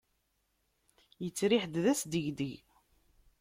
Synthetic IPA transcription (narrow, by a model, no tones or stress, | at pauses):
jət͡sːɾiħd̪ðæsd̪əʝd̪əʝ